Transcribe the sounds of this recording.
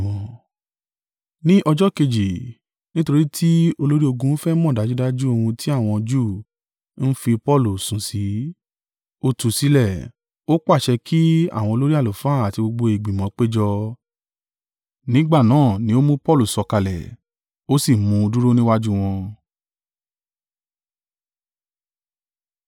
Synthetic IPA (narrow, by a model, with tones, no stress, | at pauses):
ɔ̃˨ | nĩ˦ʔɔ˧d͡ʒɔ˦ke˧d͡ʒi˨ | nĩ˦to˧ɾi˦tʰi˦o˧lo˦ɾi˦o˧ɡũ˧n̩˦fɛ˦mɔ̃˦˨da˨˦d͡ʒu˦da˦d͡ʒu˦o˧hũ˧tʰi˦a˦˨w̃ɔ̃˧d͡ʒu˦˨ | n̩˦fi˧pɔ˦˨lu˨sũ˨si˨˦ | o˧tu˨si˨˦lɛ˦˨ | o˦k͡pa˦˨ʃɛ˧kʰi˦a̰˦˨w̃ɔ̃˧o˧lo˦ɾi˦a˦˨lo˨faː˨˦˨a˨ti˧ɡ͡bo˧ɡ͡bo˧i˨ɡ͡bi˨mɔ̃˨˦k͡pe˦d͡ʒɔ˧ | nĩ˦ɡ͡ba˦˨nãː˨˦˨nĩ˨˦o˦mũ˦pɔ˦lu˦˨sɔ˧ka˧lɛ̰˨ | o˦si˦˨mũ˧du˦ɾo˦nĩ˦wa˦d͡ʒu˦w̃ɔ̃˧